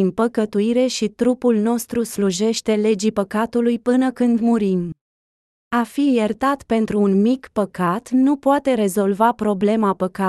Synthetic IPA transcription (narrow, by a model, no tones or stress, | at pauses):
inpəkət̪uiɾe̞ʃit̪ɾupulno̞st̪ɾusluʒe̞ʃt̪e̞le̞d͡ʒipəkat̪ulujpɨnəkɨnd̪muɾim | afijert̪at̪pe̞nt̪ɾuːnmikpəkat̪nupoat̪e̞ɾe̞zo̞lvapɾo̞ble̞mapəka